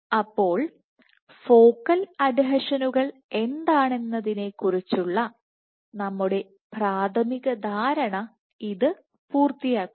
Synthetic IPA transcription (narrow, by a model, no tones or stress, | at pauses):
ɐpːo̞ːɭ | fo̞ːkːɐlɐdiɦɐʂɐnuɣɐɭe̞nd̪aːɳe̞nːɐðine̞kːurit͡ɕːuɭːɐ | nɐmːuɽe̞ | praːt̪ʰɐmiɣɐd̪ʱaːɾɐɳɐ | iðɨ | puːrt̪ijaːkːum